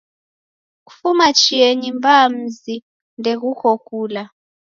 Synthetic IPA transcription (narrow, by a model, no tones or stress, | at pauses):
ku̥fumat͡ʃieɲimbam̩zi | ndɛɣukokuːla